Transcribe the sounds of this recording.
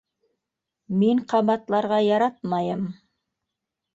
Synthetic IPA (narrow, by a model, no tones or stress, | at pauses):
meɴqʰɑβɑt̪lˠɑɾʁɑjɑɾɑt̪mɑjɤm